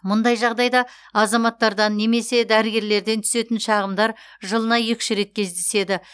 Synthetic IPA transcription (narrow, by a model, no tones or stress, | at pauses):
mʊnd̪ɑjʒɑʁd̪ɑjd̪ɑ | ɑzɑmɑt̪ːɑɾd̪ɑnːe̞me̞se̞d̪æɾɪɡʲe̞ɾle̞ɾd̪e̞nt̪ʰʏ̥se̞t̪ɪnʃɑʁəmd̪ɑɾ | ʒəlˠənɑjekʲʃɪɾe̞t̪̚kʲʰe̞zd̪e̞se̞d̪ɪ